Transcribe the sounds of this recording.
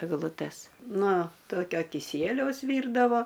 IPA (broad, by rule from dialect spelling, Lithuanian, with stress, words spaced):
ɛɡlˠʊˈtʲɛs ˈnoː ˈtoːkʲoː kʲɪˈsʲiɛlʲɛʊs ˈʋʲiːrdɐʋoː